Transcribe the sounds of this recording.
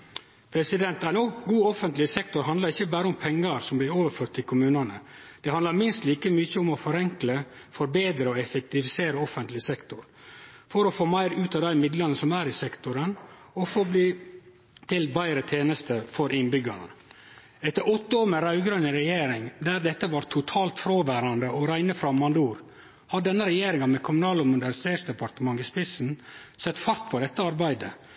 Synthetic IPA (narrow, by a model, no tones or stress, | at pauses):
pʰɾɛsɪd̪ɛnt̪æɪnoːɡuːɔfənt̪lɪsɛk̚t̪ʊɾɦɑnd̪lɑɾɪçːəbæːɾəʊmpʰɛŋːəɾsɔmblɪɾoːʋəɾføːɾʈ̚t̪ʰːɪlkʰʊmʉːnɑnə̰ | d̪̥ɛhɑnd̪lɑɾmɪnst̪liːkəmyçəʊmɔfɔɾɛŋklə | fɔɾbeːd̪ɾəɔɛfɛk̚t̪ɪfɪseːɾəɔfənt̪lɪsɛkt̪ʊɾfɔɾɔfoːmæɪɾʉːt̪ɑd̪æɪmɪd̪lɑnəsɔmæːɾɪsɛkt̪ʊɾən | ɔfoːbliː | t̪ʰɪlbæɪɾət̪ʰeːnəst̪əfɔɾʔɪnbʏɡɑ̰ɳə̰ | ɛt̪ːəɾɔt̪ːəoːmɛɾɑʉɡɾœnəɾɛjeːɾɪŋd̪æɾd̪ɛt̪ːəʋɑːɾt̪ʰʊt̪ʰɑːlt̪fɾoːʋæːɾɑnd̪əʔɔɾæɪnəfɾɑmːɑnd̪uːɾ | hɑɖɛnːəɾɛjeːɾɪŋɑmɛkʰʊmʊnɑːlɔmʊd̪ænsseːsd̪ɛpɑɾt̪əmɑŋːɪspɪsn̩sɛt̪ːfɑɾt̪fɔɖ̪ɛt̪ːəɑɾbæɪd̪ə